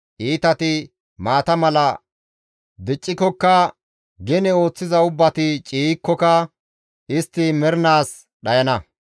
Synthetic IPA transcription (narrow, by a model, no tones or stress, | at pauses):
ʔiːt̪ɐt̪ɪ | maːt̪ɐmɐlɐ | d̪ɪt͡ʃʼːɪkɔkːɐ | ɡɛnɛo̞ːt͡sːɪzɐʊbːɐt̪ɪt͡ʃʼiːkːɔkɐ | ɪst̪ːɪmɛɾnaːs | ɗɐjɐnɐ